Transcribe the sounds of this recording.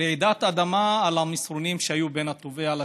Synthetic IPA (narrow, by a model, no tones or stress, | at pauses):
eʕid̪at̪ad̪amaːlamisʁonimʃeajube̞nhat̪oveala